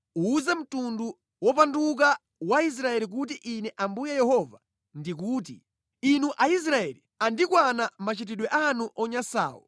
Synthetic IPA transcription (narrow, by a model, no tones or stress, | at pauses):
uːzɛm̩tundu | wɔpanduk̬a | wais̬ɾaɛlik̬ut̬iʔinɛʔambujɛjɛhɔva | ndikuːt̬ḭ | inuʔais̬ɾaɛli | andikwanamat͡ʃit̬iɗwɛʔanuʔɔɲasa̰ːwɔ̰